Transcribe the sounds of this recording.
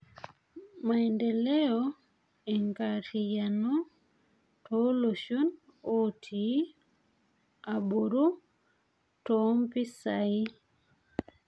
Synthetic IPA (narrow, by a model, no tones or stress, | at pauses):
maindɛlɛɔ | ɛŋkaɾijanɔ | tɔloʃon | otʰi | aboɾu | tɔmpisai